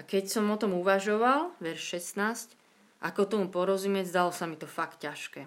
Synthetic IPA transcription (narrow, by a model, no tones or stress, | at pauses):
akɛcsɔmɔt̪ɔmuʋaʒɔʋalʋɛɾʃʃɛst̪naːsc | ʔakɔt̪ɔmupɔɾɔzumɪɛzd̪alɔsamit̪ɔfakt̪caʃkɛː